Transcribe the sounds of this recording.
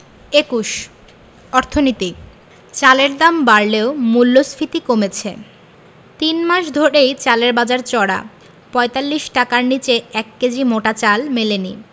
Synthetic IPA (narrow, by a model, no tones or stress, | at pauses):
ekuʃ | ɔɾt̪ʰonit̪i | t͡ɕaleɾd̪ambaɾleomulːosfit̪ikomet͡ɕʰe | t̪inmaʃd̪ʱoɾejt͡ɕaleɾbad͡ʑaɾt͡ɕɔɽa̰ | pɔet̪alːiʃʈakaɾnit͡ɕeɛkːed͡ʑʱimoʈat͡ɕalmelenḭ